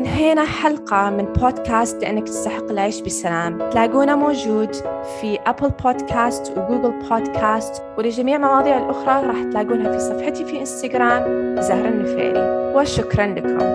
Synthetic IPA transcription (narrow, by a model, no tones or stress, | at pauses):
mɪnɦeːnaħalqɑmɪnbʰoːd̪kʰaːst̪lɪʔɪ̰nːakt̪ɪ̥st̪aħɪqːɪlʕiːʃbɪsalaːmt̪laːɡuːnamoːd͡ʒuːd̪ | fiʔaplpʰoːd̪kʰaːst̪wɪɡuːɡɪlpʰoːd̪kʰaːst̪ | wɪlɪd͡ʒamiːʕmɑwɑːðˤiːʕɪlʔʊxɾˤɑɾˤɑːħt̪laːɡuːnɦafisˤɑfħɪt̪ifiʔɪnst̪aɡɾaːmzahɾˤɪnːɪfḛːlḭwɪʃʊkɾˤɑnlakʰʊ̰m